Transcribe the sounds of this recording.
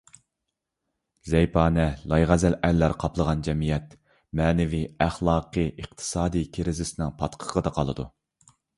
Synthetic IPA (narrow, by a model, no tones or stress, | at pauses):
zɛjpʰɑːnɛlˠɑjʁæzɛlælːæɾqʰɑplˠəʁɑnd͡ʒɛmijɛt̪ | mɛːnɛviæχlˠɑːqʰɨʔəqt̪ʰɨ̥sɑːd̪ikʲʰeɾɪzɪsɪnɨŋpʰɑt̪qʰə̥ʁəd̪ɑqʰɑlˠɨ̰d̪ṵ